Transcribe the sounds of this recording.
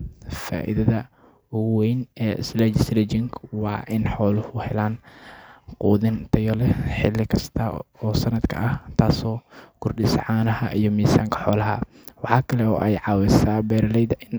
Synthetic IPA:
fa̰ːʔɪ̰ðɐðɐ | ʊwɛjnɛːslɛd͡ʒslɛd͡ʒɪŋkwɑːʔɪnħɔːlʊhʊhɛlaːn | quːðɪnt̪ʰɐjɔlɛħɪlɪkʰɐst̪ʰɐɔːsɐnɐd̪kʰɐ̰ʔɐht̪ʰaːsɔːkʰʊrɖɪsʕɑːnɐhɐʔijɞmiːsaːŋkʰɐ̥ħɔːlɐɦɐ̰ | wɑħɑːkʰɐlɛɔ̰ːʔɛjʕɑːwɛsaːbɛːɾɐlɛjðɐʔɪn

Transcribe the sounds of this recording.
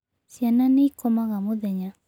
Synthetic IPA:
sjananeikɔmaɣamoðɛɲa

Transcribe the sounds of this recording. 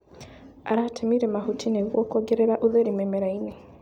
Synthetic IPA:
aɾatʰemiɾɛmahutʰineɣwɔkɔɡeɾeɾaʔuðeɾimɛmeɾaine

